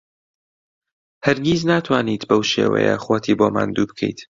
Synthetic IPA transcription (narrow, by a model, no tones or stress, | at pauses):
hɐɾɡʲiːznaːt̪ʰwaːniːt̪bɐwʃḛːwɛ̰jɐ̰χwoːt̪ʰiːboːma̰ːnd̪uːbɨkʰḛjt̪